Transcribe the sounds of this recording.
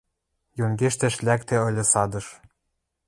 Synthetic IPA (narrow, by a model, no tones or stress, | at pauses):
jonɡeʃt̪ĕʃlækt̪ĕɤ̆lʲɤ̆sɑd̪ɤ̆ʃ